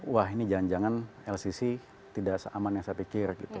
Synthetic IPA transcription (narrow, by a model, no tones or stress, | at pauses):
waɦinid͡ʒaand͡ʒaŋanɛlsisi | t̪idaʔsəʔamanjaŋsapikɪrɡḭt̪u